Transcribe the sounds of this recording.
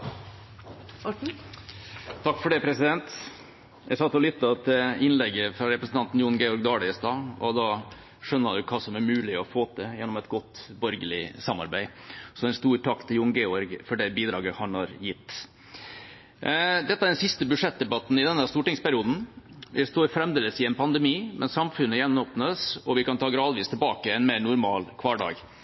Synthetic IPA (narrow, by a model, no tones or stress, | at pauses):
t̪ʰɑkːfɔɖɛpʰɾɛsɪd̪ɛnt̪ | jæsɑt̪ːɔlʏt̪ːɑt̪ʰɪɪnlɛɡːəfɾɑɾɛpɾəsn̩t̪ɑnt̪n̩jʊːn̩ɡɛːɔɾɡd̪ɑːlɪəst̪ɑːɔd̪ɑː | ʂœnːɑnd̪ʉkʰɑːsɔmæɾmʉːlɪɔfoːt̪ʰɪjɛnːɔmɛt̪ɡɔt̪ːbɔɾɡəlɪsɑmːɑ̰ɾbæɪsɔɛnst̪uːɾʈʰɑkt̪ʰɪljʊːnɡeːɔɾɡfɔɖɛbiːd̪ɾɑːɡəhɑnhɑɾjɪt̪ː | d̪ɛt̪ːəæɖɛnsɪst̪əbʉʂɛt̪̚d̪ɛbɑt̪n̩ɪd̪ɛnːəæst̪uːʈɪŋspæɾɪuːd̪n̩ʋɪst̪oːɾfɾɛmd̪eːləsɪɛnpʰɑnd̪ɛmiːmʔɛnsɑmfʉnːəjɛnːoːpnəəsɔʋɪkɑnt̪ʰɑːɡɾɑːd̪ʋiːst̪ʰɛlbɑːkəɛnmeːɾnʊɾmɑːlkʰʋɑːɖɑ̰ːɡ